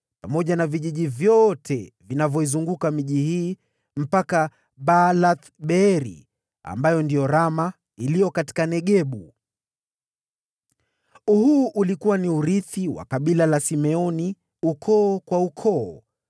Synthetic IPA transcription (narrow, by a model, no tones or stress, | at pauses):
pamɔʄanaviʄiʄivjɔtʰɛvinavjɔizuŋɡukamiʄihiː | m̩paka | balat̪ɓɛɾḭ | a̰mbajɔndijɔɾama | ilijɔkati̥kanɛɠɛɓu | uhuːʔulikuwaniuɾiθiwa̰kaɓilalasimɛɔni | ukʰɔːkwaukʰɔː